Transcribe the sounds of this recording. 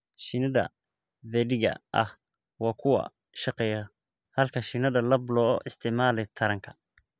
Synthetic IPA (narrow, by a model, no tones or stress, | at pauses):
ʃɪnɐðɐ̰ | ðɛɖɪɡɐ̰ʔɐ̰h | wɑːkʰʊwɐ̰ | ʃɐqɛːjɐ | hɐlkʰɐʃɪnɐðɐlɐblɔːʔɪst̪ʰɪʔmaːlɛjt̪ʰɐɾɐŋkʰɐ